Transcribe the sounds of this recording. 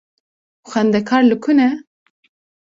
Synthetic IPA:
xɛnd̪ɛkʰɑːɾlɨkʰunɛ

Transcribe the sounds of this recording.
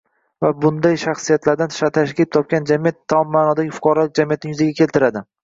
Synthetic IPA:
vabʊnd̪ajʃaχsijat̪laɾd̪anʰʃat̪ʰaʃkʲɪlɪp̚t̪ʰɒp̚kʲand͡ʒamijat̪ʰːamːaːnɒd̪aɡʲɪfʊ̥qʰɒɾalɪk̚ʲd͡ʒamijat̪nɪŋjʏzaɡʲakʲʰe̞lt̪ɪɾad̪ɪ

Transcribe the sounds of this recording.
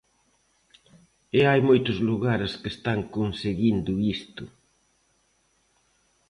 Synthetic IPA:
ɪajmojt̪ʊzluɣaɾeskest̪aŋkonseɣind̪ʊist̪ʊ

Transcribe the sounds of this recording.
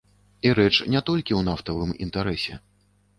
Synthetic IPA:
iɾɛt͡ʂnʲɛt̪ɔlʲkʲiwnaft̪ɐvɨmḭnt̪aɾɛsʲɛ̰

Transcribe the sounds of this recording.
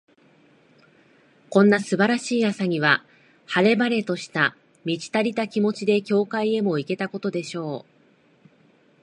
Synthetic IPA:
kõ̞nːasɨbaɾaɕiːjasaɲ̟iβ̞a | haɾe̞baɾe̞t̪o̞ɕi̥t̪a | mʲid͡ʑi̥t̪aɾʲit̪akʲimo̞t͡ɕid̪e̞kʲo̞ːkaie̞mo̞ike̞t̪ako̞t̪o̞d̪e̞ɕo̞ː

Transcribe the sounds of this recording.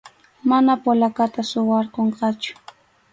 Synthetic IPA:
manapolakat̪asʊwɑɾqoɴqɑt͡ʃʊ̥

